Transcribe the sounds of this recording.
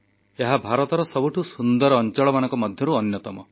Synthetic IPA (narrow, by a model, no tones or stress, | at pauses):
eɦabʱaɾɔt̪ɔɾɔsɔbuʈʰusund̪ɔɾːnt͡ʃɔɭɔmanɔŋkɔmɔd̪ʱjɔɾuɔnjɔt̪ɔmɔ